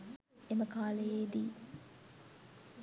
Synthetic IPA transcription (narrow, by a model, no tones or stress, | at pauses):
eməkaːlejeːd̪iː